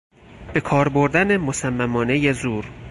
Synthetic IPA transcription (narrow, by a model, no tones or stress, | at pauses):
b̥ekʰɒːɾboɾd̪ænemosæmːæmɒːne̞jezuːɾ